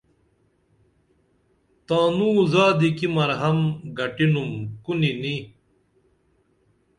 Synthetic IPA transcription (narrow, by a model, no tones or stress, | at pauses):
t̪aːnuːzaːd̪ikimɐɾɦɐmɡɐʈinumkunini